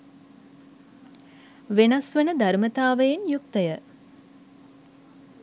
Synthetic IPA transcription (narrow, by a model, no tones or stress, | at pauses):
ʋenasʋenəd̪aɾmət̪aːʋəjenjuk̚t̪əjə